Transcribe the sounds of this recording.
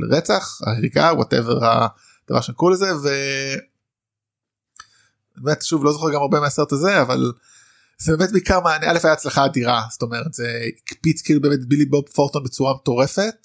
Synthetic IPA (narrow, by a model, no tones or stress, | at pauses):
ʁet͡saχa̰ʁiɡawo̰tḛveʁa̰ | d̥ava̰ʁʃenikulezeve | nbemetʃuvlo̞zoχeʁɡamaʁbemeaseʁt̪azeava̰l | z̥ebeːmetbiikaʁmaaniale̞fajaːt͡slaχaːdiʁasto̞meʁetz̥eikpit͡skiːlubeːmetbilibopfoʁtonbet͡suʁameto̞ʁe̞fe̞t̚